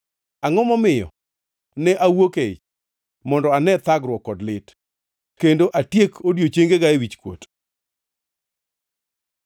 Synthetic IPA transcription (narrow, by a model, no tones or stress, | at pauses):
aŋɔmɔmɪjɔ̰ | nɛʔawokei | mɔndɔanɛt̪aɡɾwɔkːɔdlɪt | kendoʔatjekodjot͡ʃeŋɡeɡaewit͡ʃkwo̰t